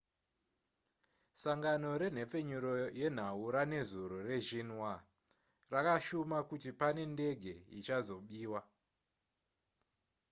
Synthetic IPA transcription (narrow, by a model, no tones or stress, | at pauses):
saŋɡano̞ɾe̞n̤e̞p͡fe̞ɲuɾoje̞n̤auɾane̞zuɾore̞ʒinwa | rakaʃumakutipane̞nde̞ɡʱe̞ḭt͡ʃazo̞ɓiːwa